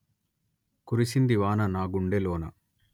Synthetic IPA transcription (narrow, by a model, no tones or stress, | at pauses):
kuɾisind̪iʋaːnɐnaːɡuɳɖeloːnɐ